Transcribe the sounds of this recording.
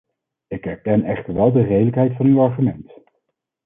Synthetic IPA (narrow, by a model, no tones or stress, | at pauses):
ɪkɛɹkɛnɛχtəɹʋɛlˠdərejdələkɦɛjtfɑnywɑɹχymɛnt